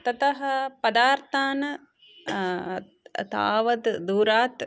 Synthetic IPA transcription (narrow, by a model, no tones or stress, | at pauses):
t̪ɐt̪ɐɦɐpɐd̪aːɾt̪ʰaːnɐ | t̪a̰ːʋɐd̪d̪uːɾaːt̪